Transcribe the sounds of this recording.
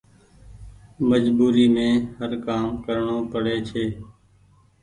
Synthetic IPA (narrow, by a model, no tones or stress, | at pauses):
məd͡ʒbuːɾiːmẽːhəɾkaːmkəɾɳoːpəɽeːt͡ʃʰeː